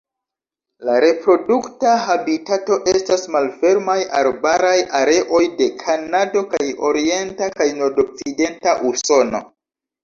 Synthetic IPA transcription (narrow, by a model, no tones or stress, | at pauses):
laɾe̞pɾo̞duktaɦabitato̞ʔe̞stasmalfe̞ɾmajaɾbaɾajʔaɾe̞ʔo̞jde̞kʰanado̞kajo̞ɾie̞ntakajnoɾdo̞k̚t͡side̞ntaʔuso̞no̞̰